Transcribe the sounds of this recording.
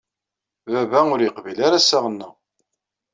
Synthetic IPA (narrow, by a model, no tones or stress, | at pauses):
vævæʊɾjəqvilaɾasaʁənːə